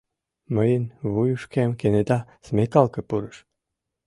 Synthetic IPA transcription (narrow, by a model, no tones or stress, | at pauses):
məjənβujuʃkemkened̪ɑsmekɑlˠkɤ̆puɾəʃ